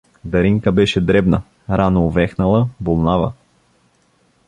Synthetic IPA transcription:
d̪ɐɾiŋkəbɛʃɛd̪ɾɛbnɐ | ɾanoːvɛxnɐlˠəbolˠnavə̰

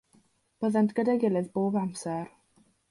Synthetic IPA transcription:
b̥əðantʰɡ̥ədaɡɪlˠɨðboːbamsɛr

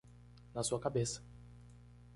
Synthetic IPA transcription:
nɐsuɐkabesɐ̥

